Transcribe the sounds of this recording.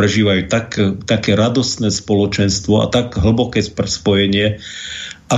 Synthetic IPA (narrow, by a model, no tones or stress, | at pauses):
ɾɛʒiːʋajuːt̪akt̪akɛːɾad̪ɔsnɛːspɔlɔt͡ʃɛnst̪ʋɔa̰t̪aɡɦl̩bɔkɛːsprspɔjɛɲɪɛ | ʔa